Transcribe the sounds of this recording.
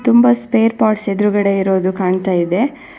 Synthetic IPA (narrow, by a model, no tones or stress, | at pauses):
t̪umbɐspe̞ːɾpaːɾʈsed̪ɾuɡɐɽe̞iɾo̞ːd̪ukaːɳt̪aːjid̪e̞